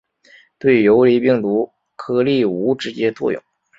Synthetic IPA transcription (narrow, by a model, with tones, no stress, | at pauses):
t̪we˥˩ɪjo˧˥ʊli˧˥pi˥˩ŋt̪u˧˥ | kʰɤ˧˥li˥˩u˧˥ʈ͡ʂɻ̩˧˥t͡ɕjɛ˥t͡swɔ̰˥˧jʊ̰˥˩˦ŋ